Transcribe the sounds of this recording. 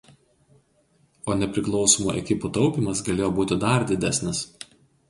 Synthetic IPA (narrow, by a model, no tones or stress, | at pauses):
oːnʲɛpʲɾʲɪklˠɒʊsoːmṵʔɛ̰kʲɪput̪ɒʊpʲiːˑmɐsɡɐlʲeːjoːbuːt̪ʲɪd̪ɐɾd̪ʲɪd̪ʲæsʲnʲɪs